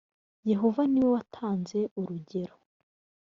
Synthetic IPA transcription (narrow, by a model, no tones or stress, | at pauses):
je̞ɦo̞vaniwewatʰaːnze̞uɾuɟe̞ɾo